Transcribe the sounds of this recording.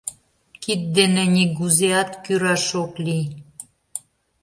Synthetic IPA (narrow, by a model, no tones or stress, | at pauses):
kit̪̚d̪enenʲiɡuzeɑt̪kyɾɑʃokli